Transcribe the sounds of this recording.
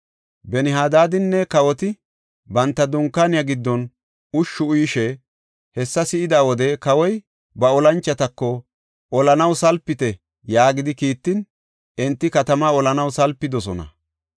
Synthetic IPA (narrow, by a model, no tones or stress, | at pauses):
bɛnɪɦaːd̪aːd̪ɪnːɛkɐwɔt̪ɪ | bɐnt̪ːɐd̪ʊŋkːaːnɪjaɡɪd̪ːɔn | ʊʃːʊʊjʃɛ | hɛsːɐsɪʔɪd̪aːwɔd̪ɛkɐwɔj | bɐɔlɐnt͡ʃːɐt̪ɐkːɔ | ʔɔlɐnɐwsɐlpːɪt̪ɛ | jaːɡɪd̪ɪkiːt̪ːɪn | ʔɛnt̪ːɪkɐt̪ɐmaɔlɐnɐwsɐlpːɪd̪ɔsɔnɐ̰